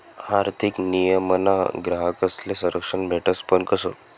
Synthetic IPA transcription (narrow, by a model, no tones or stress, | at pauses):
aɾt̪ʰiknijəməna̰ɡɾaɦakəslesə̃ɾəkʂənbʱeʈəspəɳkəsəː